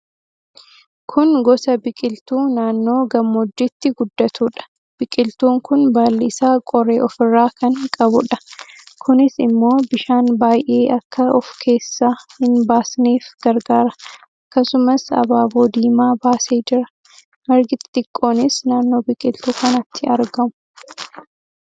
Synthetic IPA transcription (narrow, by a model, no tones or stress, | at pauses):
kʰʊnɡɔsɐbɪkʼɪlt̪uːnaːnːoːɡɐmːɔd͡ʒːɪt̪ːɪɡʊd̪ːɐt̪ʰuːᶑɐ̥ | b̥ɪkʼɪlt̪uːŋkʊnbaːlːɪsaːkʼɔɾḛːʔɔfɪrːaːkɐŋkʼɐbʊᶑɐ̥kʰʊnɪsɪmːo̞ːbɪʃaːnbaːjʔe̞ːʔɐkːɐɔfkʰe̞ːsːaːhɪnbaːsneːfɡ̥ɐɾɡaːɾɐ | ɐkːɐsʊmɐsɐ̰baːboːd̪iːmaːbaːse̞ːd͡ʒɪɾɐ | ʔɐɾɡɪt̪t̪ɪkʼːo̞ːnɪsnaːnːo̞ːbɪkʼɪlt̪uːkɐnɐt̪ʰːɪɐɾɡɐmʊ̥